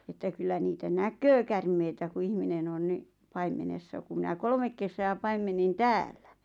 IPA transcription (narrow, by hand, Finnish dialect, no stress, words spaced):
etːæ kylːæ niːtæ nækøː kærmeitæ ku ihminen on ni pɑimenesːɑ ku mĭnæ kolmek kesæː pɑimenːin tæːlːæ